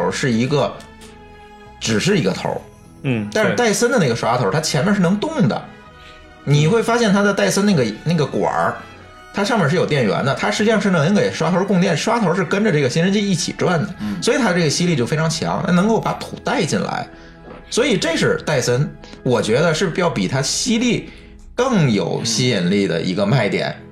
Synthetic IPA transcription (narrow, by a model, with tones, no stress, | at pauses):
ʂɻ̩˥˩i˧˥ɡə˧ | ʈ͡ʂɻ̩˨˩ʂɻ̩˥˩i˧˥ɡə˧t̪ʰo̰˧˥ | t̪a˥˧nʂɻ̩˧˩t̪a˥˩ɪsə˥nd̪ə˨˧na˥˩ɡə˩ʂwa˥t̪ʰo˧˥t̪ʰa˥t͡ɕʰjɛ˧˥nmjɛ˥˧nʂɻ̩˥˩nɤ˧˥ŋt̪ʊ˥˩ŋd̪ə̰˩ | ni˨˩xwe˥˩ɪfa˥ɕjɛ˥˩nt̪ʰa˥d̪ə˧t̪a˥˩ɪsə˥nna˥˩ɡə˩na˥˩ɡə˩kwa̰˨˩˥ | t̪ʰa˥ʂɑ˥˧ŋmjɛ˥˩ʂ̬ɻ̩˥˩jo˨˩ʊt̪jɛ˥˩nɥɛ̰˧˥nd̪ə˧t̪ʰa˥ʂɻ̩˧˥t͡ɕi˥ʂɑ˥˧ŋʂɻn˧nə˧˥ŋke˨˩ɪʂwa˥t̪ʰo˧˥ʊ˥kʊ˥˧ŋt̪jɛ˥˩nʂwa˥t̪ʰo˧˥ʊʂɻ̩˥˩kə˥nʈ͡ʂə˧ʈ͡ʂɤ˥˩ɡə˩ɕi˥nʂə˥nt͡ɕʰi˥i˥˩t͡ɕʰḭ˨˩ʈ͡ʂwa˥˩nd̪ə˩swɔ˧˥i˨˩a˥ə˧ʈ͡ʂɤ˥˩ə˩ɕi˥li˥˧t͡ɕjo˥˩ʊfe˥ɪʈ͡ʂʰɑ˧˥ŋt͡ɕʰjɑ̰˧˥ŋt̪ʰa˥nɤ˧˥ŋko˥˩ʊpa˧˥t̪ʰṵ˨˩t̪a˥˧ɪt͡ɕi˥˩nla̰˧˥ɪ | swɔ˧˥i˨˩ʈ͡ʂe˥˧ʂɻ̩˥˧t̪a˥˩ɪsə˥n | wɔ˨˩t͡ɕɥɛ˧˥d̪ə˧ʂɻ̩˥˩pjɑ˥˩ʊpḭ˨˩t̪ʰa˥ɕi˥li˥˩ | kɤ˥˩ŋjo̰˨˩ʊɕi˥˧nli˥˩d̪ə̰˩ʔḭ˧˥ɡə˧ma˥˩ɪt̪jɛ̰˨˩˦n